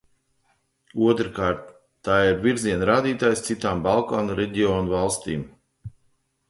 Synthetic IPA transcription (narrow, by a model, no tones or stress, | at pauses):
uɔt̪ɾɨkaːɾt̪ː | aːiɾviɾziɛnɾaːd̪iːt̪aːjst̪sit̪aːmbalˠkaːnɾɛɟiɔːnuvalˠst̪iːm